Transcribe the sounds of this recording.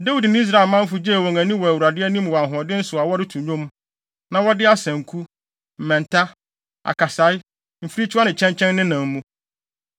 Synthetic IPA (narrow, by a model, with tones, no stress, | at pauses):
da˦wi˨dnɪ̃˦i˦s̬ɾa˦˨ɪ˨lmã˦m̩˦fʊ˦d͡ʑi˦æ˨wɔ˨ŋæ̃˨nĩ˦wɔ˨æ˨wɾa˨dɪ˦ɛ˦nĩ˦m˨wɔ˨a˨ɦɔ̃˨dɪ˦n̩˦sʊ˨a˨wɔ˦ɾɪ˦tʰũ˨ɲõ˦m˦ | nã˨wɔ˦dɪ˦a˦sæ̃˨ŋkʰu˦ | m̩˨mɛ̃˨n˨tʰa˦ | a̰˨ka˨sa˨˦ɪ˦ | m̩˨fi˦ɾi˦t͡ɕʰɪ˦a˦nɪ̃˨t͡ɕʰɛ̃˦ɲt͡ɕʰɛ̃˦nːɪ̃˦nã˨m˦mːũ˦